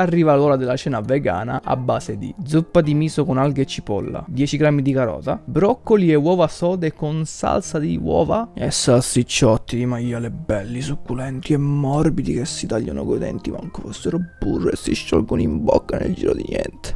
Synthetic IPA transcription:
arːiːvalɔːɾad̪elːat͡ʃɛːnaveɡa̰ːna̰ʔa̰bːaːsed̪ḭd̪zupːad̪imiːsokonalɡet͡ʃːipɔ̰lːa̰d̪jɛt͡ʃiɡɾamːid̪ikaɾɔ̰ːzabɾɔkːoliɛwɔːvasɔːd̪ekːonsa̰lsad̪iwɔ̰ːvaɛsːalsit͡ʃːɔt̪ːid̪imajalebɛlːisukːulɛnt̪iɛmːɔrbid̪ikesːit̪aʎːa̰no̰ɡod̪ɛ̰nt̪imaŋkefɔsːeɾoburːesːiʃːɔ̰lɡonimbɔ̰kːanḛld͡ʒḭːɾo̰d̪ḭnjɛ̰nt̪e̥

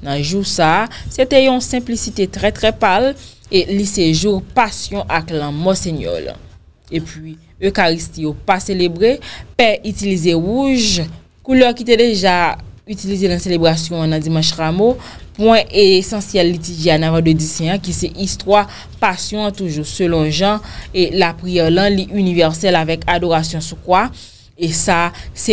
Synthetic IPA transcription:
nɐ̃ʒuʁsaset̪ɛjɔ̃sɛ̃plisit̪et̪ʁɛt̪ʁɛpaleliseʒuʁpasjɔ̃ʔaklãmɔseɲɔ̰l | epɥi | økaʁist̪ijopaselebʁepɛʔyt̪ilizeʁuʒ | kulœʁkit̪ɛd̪eʒaytilizenɐ̃selebʁasjɔ̃ãnɐ̃d͡zimɑ̃ʃʁamopwɛ̃ʔesɑ̃sjɛlːit̪yʒeanãvãdødisɛ̃ãkisɛʔist̪wa | pasjɔ̃ãt̪uʒusølɔ̃ʒãelapʁijɛʁlɐ̃liʔynivɛʁsɛlavɛkadoʁasjɔ̃sukwa | esasɛ

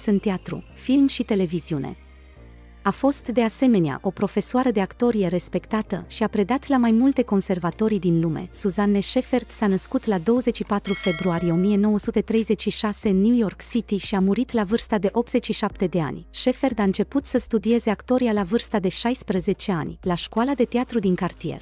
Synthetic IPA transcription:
sɨnt̪eat̪ɾṵ | filmʃit̪e̞le̞viziunʔe̞̰ | afo̞st̪d̪e̞ase̞me̞nea̰ʔo̞pɾo̞fe̞soaɾəd̪eakt̪o̞ɾije̞ɾe̞spe̞kt̪at̪ə̰ʃiapɾe̞d̪at̪lamajmult̪e̞ko̞nse̞rvat̪o̞ɾd̪inlume̞̰suzanːe̞ʃe̞fe̞rd̪̥sanəskut̪lad̪o̞wəze̞t͡ʃʃipat̪ɾufe̞bɾuaɾijeo̞mije̞no̞wəsut̪e̞t̪ɾe̞jze̞t͡ʃʃiʃase̞ɨnːjujo̞rksit̪iʃiamuɾit̪lavɨrst̪ad̪e̞ʔo̞p̚t̪z̥e̞t͡ʃːiʃap̚t̪e̞d̪e̞a̰nʲʃe̞fe̞rd̪aɨnt͡ʃe̞put̪səst̪ud̪ie̞ze̞akt̪o̞ɾialavɨrst̪ad̪e̞ʃajspɾəze̞t͡ʃe̞anʲlaʃkualad̪e̞t̪eat̪ɾud̪iŋkart̪ije̞̰r

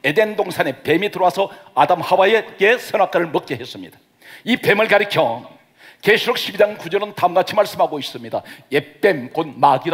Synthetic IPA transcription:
e̞dendoŋsʰane̞pe̞mitɯɾowasʰʌadamhawae̞kesʰʌnak͈aɾɯɭmɯk̚k͈eɦe̞s͈ɯmɲḭd̥ḁ | ipe̞mɯɭkaɾɯkʰjʌ | keɕʰuɾʌk̚ɕʰibid͡ʑaŋkud͡ʑʌɾɯntamɡat͡ɕʰimaɭs͈ɯmhaɡois͈ɯmɲidajep͈ːe̞mkonmaɡiɾ

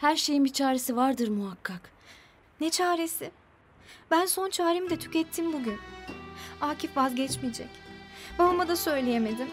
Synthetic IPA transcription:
hæɾʃe̞jinbit͡ʃʰaːɾesivaɾd̪ɯɾmuɦakʰːak | nɛt͡ʃʰaːɾesɪ | bænso̞nt͡ʃʰaːɾemid̪ɛt̪ʰy̥cɛt̪ʰːimbuɟyn | aːcʰifvazɟɛt͡ʃmid͡ʒɛ̰cbalˠmad̪asø̞jlʲejeme̞d̪im

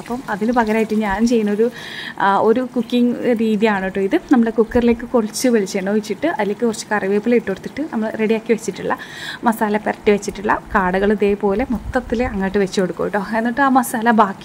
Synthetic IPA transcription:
ɐpːɐmɐðinɨpɐɣɐɾaːjiʈːɨɲaːnt͡ɕe̞jːunːɐo̞ɾu | o̞ɾukukːiŋɾiːðiaːɳiʈːoːiðɨnɐmːɐɽekukːɐrile̞ːkːɨkorit͡ɕːɨʋeɭit͡ɕːeɳːoːʋit͡ɕːiʈːɨɐðile̞kːɨkurɐt͡ɕːɨ̥kɐriʋeːpːileiʈːoɽt̪ːiʈːɨnɐmːɐɭre̞ɽijaːkːiʋet͡ɕːiʈːuɭːɐ̰mɐsaːlɐperɐʈːiʋet͡ɕːiʈːuɭːɐ̰kaːɽɐɣɐɭiðe̞ːpo̞ːle̞mot̪ːɐt̪ːileɐŋːaːjʈːɨʋet͡ɕːuo̞ɽukːoːjiʈːo̞ːe̞nːiʈːɨaːmɐsaːlɐbaːkː

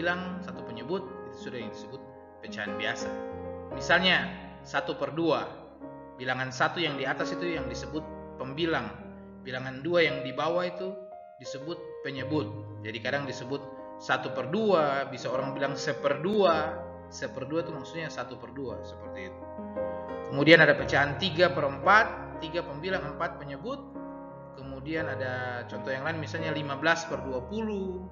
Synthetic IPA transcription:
laŋsat̪upəɲəbʊt̪̚it̪u̥sudahjaŋdisəbʊt̪̚ | pət͡ʃaanbiasamisalɲa | sat̪upərdua | bilaŋansat̪ujaŋdiat̪asit̪ujaŋdisəbʊt̪̚ | pəmbilaŋ | bilaŋanduajaŋdibawahit̪u | disəbʊt̪̚pəɲəbʊt̪̚ | d͡ʒadikadaŋdisəbʊt̪̚ | sat̪upərduabisaoɾaŋbilaŋsəpərdua | səpərduait̪umaksuɲasat̪upərdua̰səpərt̪iːt̪u̥ | kəmudianadapət͡ʃaɦant̪iɡapəɾəmpat̪ːiɡapəmbilaŋəmpat̪̚pəɲəbʊt̪̚ | kəmudianadat͡ʃɔnt̪ɔhjaŋlainmisalɲalimabəlaspərduapulu

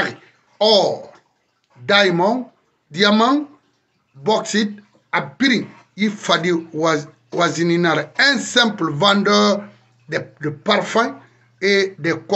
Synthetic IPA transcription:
ɣi | ɔɾ | dajmɔ̃n | diamãŋ | bɔksit̚ | abiɾiŋ | jifadiwa | wazininaɾɛ̃nsɛ̃mplvãndə | dedepaɾfãŋ | edek

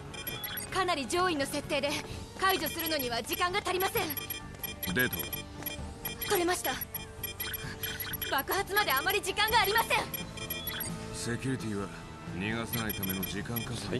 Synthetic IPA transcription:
kanaɾʲid͡ʑo̞ːĩnːo̞se̞t̪ːe̞ːd̪e̞kaiʑo̞sɨɾɯ̟no̞ɲ̟iβad͡ʑikãŋɡat̪aɾʲimasẽ̞ŋ | d̪e̞ːt̪o̰ | koɾe̞maɕi̥t̪a | bakɯ̟hat͡sɨmad̪e̞amːaɾʲid͡ʑikãŋɡaːɾʲimasẽ̞ŋ | se̞kʲuɾit̪ʲiβa | ɲʲiɡasanait̪ame̞no̞d͡ʑikãŋkaso

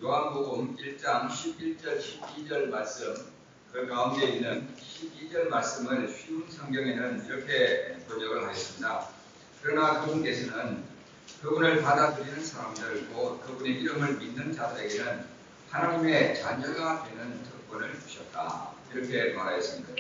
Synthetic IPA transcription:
joɦanboɡumiɭt͡ɕ͈aŋɕʰibiɭt͡ɕ͈ʌɭɕʰibid͡ʑʌɭmaɭs͈ɯm | kɯkaunde̞inːɯnɕʰibid͡ʑʌɭmaɭs͈ɯmɯɭɕʰɥiunsʰʌŋɡjʌŋe̞nɯniɾʌkʰe̞kod͡ʑʌɡɯɭhajʌs͈ɯmɲida | kɯɾʌnakɯbunke̞sʰʌnɯn | kɯbunɯɭpadadɯɾinɯnsʰaɾamdɯɭkokɯbune̞ʔiɾɯmɯɭminːɯnt͡ɕadaeɡenɯn | hanaɲime̞t͡ɕaɲʌɡadwe̞nɯnt͡ɕʌk̚p͈ʌnɯɭt͡ɕu̥ɕʰʌt̚t͈a̰iɾʌkʰe̞maɾajʌs͈ɯmɲida

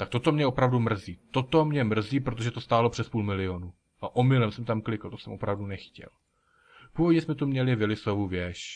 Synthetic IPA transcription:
t̪ak̚t̪o̞t̪o̞mɲɛopɾavdumr̩ziːt̪o̞t̪o̞mɲɛmr̩ziːpɾot̪o̞ʒɛt̪ost̪aːlo̞pr̥ɛspuːlmɪlɪonu | ʔaʔomɪlɛmsɛmt̪amklɪkl̩t̪osɛmʔo̞pɾavdunɛxcɛ̰l | puːvoɟɲɛsmɛt̪umɲɛlɪvɪlɪsovuvjɛʃ

